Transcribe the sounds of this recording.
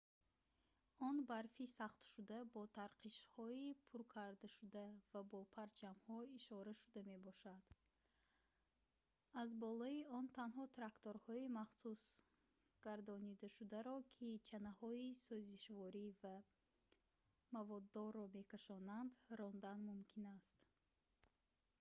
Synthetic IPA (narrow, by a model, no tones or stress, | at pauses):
ɔnbaɾfisaχt̪ʃud̪abɔt̪ʰaɾqʰiʃhɔipʰuɾkʰaɾd̪aʃud̪avabɔpʰaɾt͡ʃʰamhɔiʃɔɾaʃud̪ame̞bɔʃad̪̥ | azbɔlɔiɔnt̪ʰanɦɔt̪ʰɾakt̪oɾhɔimaχsus | ɡ̥aɾd̪ɔnid̪aʃud̪aɾɔkʰit͡ʃʰanahɔisɔziʃvɔɾiva | mavɔd̪ːɔɾːɔme̞kaʃɔnand̪ɾɔnd̪anmumkʰinast̪